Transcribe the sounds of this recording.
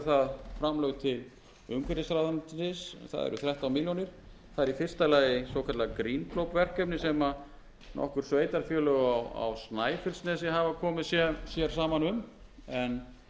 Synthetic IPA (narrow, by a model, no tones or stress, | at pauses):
θaðfɾamlœɣt̪ʰɪl | ʏŋkʰvɛɾɪsɾaðant̪nɪsθa̰ðɛ̰ɾʔʏ̰θɾɛht̪awmiljonɪɾ̥ | θaðɛɾifɪr̥st̪alaːjɪsoːwkʰat̪lakɾiːnkʰlowpvɛr̥kœpnɪsɛma | nɔ̰hkʏɾ̥sveːjt̪aɾ̥fjœːlʏɣawa̰wsnaːjfɪlsnɛːs̬ɪɦavakʰɔːmɪðsjɛsjɛɾ̥s̬aːmanʏmɛn